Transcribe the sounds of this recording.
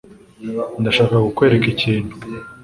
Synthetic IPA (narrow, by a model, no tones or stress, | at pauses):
ndaʃaːkaɡukwe̞ːɾekiciːnu